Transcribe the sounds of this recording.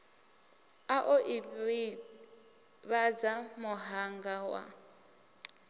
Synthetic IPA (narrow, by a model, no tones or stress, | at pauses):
aʔoʔi | βad͡zamʊɦaŋɡawa̰